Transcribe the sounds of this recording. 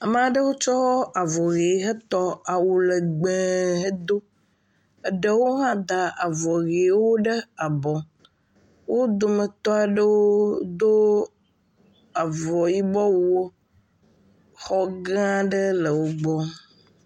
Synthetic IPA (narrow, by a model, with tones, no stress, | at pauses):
a˨m˦a˨ɖə˦wo˦t͡ʃɔ˦a˨vɔ˨ɣe˨˦ɦe˦t̪ɔ˦a˨wu˨lə˨ɡ͡be˨˦ɦe˦d̪o˦ | ə˦ɖə˦wo˦ɦã˦d̪a˨ʔa˨vɔ˨ɣe˨˦wo˦ɖə˦a˨bɔ˨ | wo˦d̪o˨mə˨t̪ɔ˦a˨ɖə˦woo˦d̪o˦ | a˨vɔ˨ji˦bɔ˦wu˦o˦ | xɔ˦ɡã˦ɖə˦lə˨wo˦ɡ͡bɔ˦